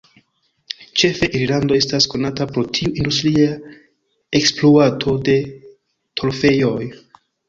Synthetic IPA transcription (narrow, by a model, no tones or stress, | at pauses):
t͡ʃe̞fe̞ʔiɾlando̞e̞stasko̞natapɾo̞tʰiuʔindustɾia | eksploatʰo̞de̞ | tʰo̞lfe̞jo̞j